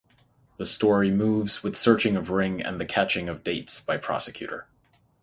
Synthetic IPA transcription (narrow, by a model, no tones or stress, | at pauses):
ðɨstɔɹimuvz̥wɨð̥sɜ˞t͡ʃɪ̃ŋʌvɹɪ̃ŋɨ̰̃nðɨkʰæt͡ʃɪ̃ŋʌvdeɪtsb̥aɪpʰɹ̥ɑ̰sɨ̥kʰj̥ʉ̰ɾə̰˞